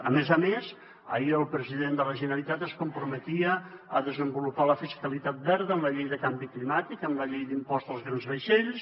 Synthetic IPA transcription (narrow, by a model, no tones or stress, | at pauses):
ə̰mezəmes | ə̰iəlˠpɾəziðend̪ələʒənəlit̪at̪əskumpɾumət̪iəəðəzəmbulupaləfiskəlit̪at̪̚bɛɾðəːmləʎejðəkambiklimat̪ikəmləʎejd̪impɔst̪əlˠzɣɾanzβəʃeʎs